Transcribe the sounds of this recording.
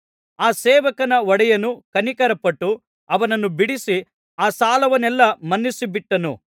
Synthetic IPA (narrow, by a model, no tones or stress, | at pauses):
aːseːʋɐkɐnɐʋɔɽɛjɐnukɐnikɐɾɐpɐʈːu | ɐʋɐnɐnːubiɽisi | aːsaːlɐʋɐnɛlːɐmɐnːisibiʈːɐnṵ